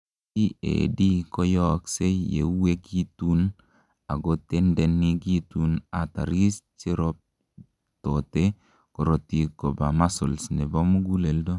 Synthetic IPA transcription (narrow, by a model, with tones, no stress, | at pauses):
i˦ḛ˨di˦kɔ˦jɔ˦kse˦jḛ˨u˦we˦ɡi˦tu˦n | a˨ɡo˦te˦ndɛ˨nːi˦ɡi˦tuna˨ta̰˨ɾi˦st͡ʃi˦ɾɔ˦p̚ | to˨te˦ | kɔ˨ɾo˨ti˨ko˨ba̰˨ma˦so˨lsne˨bɔ˦mu˦ɡu˦le˨ldo˦